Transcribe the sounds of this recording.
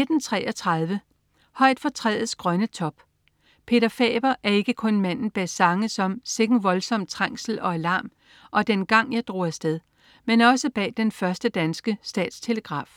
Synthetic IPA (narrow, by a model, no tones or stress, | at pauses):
ned̥n̩t͡sʰʁɛ̰ːʔɒ̽t͡sʰʁað̞ˠʋə | hɒ̽ɪ̰d̥fɒ̽t͡sʰʁɛ̰ːð̩ˠsɡ̥ʁɶnət͡sʰɒ̽b̥ | pʰe̝ɾ̥ɐfɛ̰ːb̥ɐʔæɐe̝ɡ̥əkʰɔ̽nmæn̰n̩b̥æsɑ̈ŋəsɒ̽mseɡ̥n̩ʋɒ̽lsɒ̽m̰̚t͡sʰʁaŋ̰sl̩ɒ̽ælɑ̈ːm | ʔɒ̽d̥enɡ̥ɑ̈ŋ̰jɑ̈ɪd̥ʁo̝̰ːæsd̥eð̞ˠ | menɒ̽səb̥ɛ̰ːd̥enfɶɐsd̥əd̥ænsɡ̥əsd̥ɛ̰ːd̥st͡sʰe̝ləɡ̥ʁɑ̰̈ːf